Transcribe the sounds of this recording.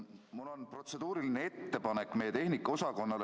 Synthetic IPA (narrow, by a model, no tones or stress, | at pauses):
mulːo̞npro̞t̪se̞d̪̥uːɾilineet̪ːe̞pɑne̞kːˑmejːet̪e̞hnikːˑɑo̞sɑko̞nːɑl